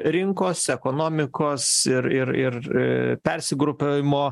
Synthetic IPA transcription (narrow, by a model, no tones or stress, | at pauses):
ɾʲɪŋkoːsɛkoːnoːmʲɪkoːsɪɾɪɾɪrpʲɛɾʲsʲɪɡɾʊpʲeɪmoː